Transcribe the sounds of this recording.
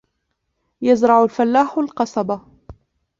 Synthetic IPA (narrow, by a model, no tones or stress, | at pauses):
jazɾˤɑʕʊlfalːaːħalqɑsˤɑba